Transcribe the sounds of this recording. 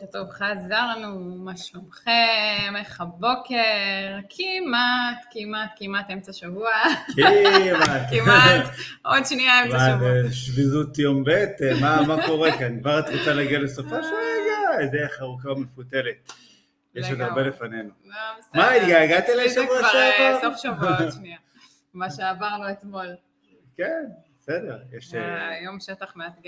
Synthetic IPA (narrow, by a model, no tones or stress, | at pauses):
ket̪ovχazaʁnumaʃlomχemaχabokʰeʁakʰimat̪kimat̪kimat̪emt͡saʃavuakimakimt̪ʔodʃniaemt͡smaeʃvizut̪jombet̪mamako̞ʁekanɡvaʁat̪ʁot͡salaɡialesofaʃuaɡaezejaχaʁukamefutelet̪̚ | jeʃet̪aʁbelefanenunesmaid̪ɡaaɡat̪ileʃevʁaʃaot̪oχʃavaʃnia | maʃeavaʁnuet̪mol | kenbbesed̪eʁjeʃjomʃet̪aχmeat̪ɡa